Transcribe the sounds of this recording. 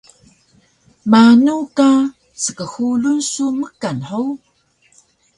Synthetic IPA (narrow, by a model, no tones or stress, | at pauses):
manuka | səkəxulunsuməkanħow